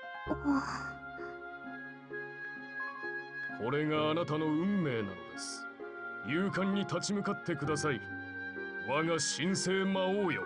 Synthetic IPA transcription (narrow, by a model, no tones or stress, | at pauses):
kʰo̞ɾe̞ɡaːnat̪ano̞ɯ̟̃mːe̞ːnã̰no̰d̪esɨ̥ | jɯːkãɲ̟ːit̪at͡ɕimɯ̟kat̪ːe̞kɯ̟d̪asai | βaɡaɕĩɰ̃se̞ːmaoːjo̰